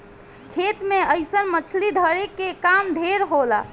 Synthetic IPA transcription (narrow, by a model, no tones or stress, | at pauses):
kʰet̪meəjsənmət͡ʃʰlid̪ʱəɾekːekamd̪ʱeɾɦola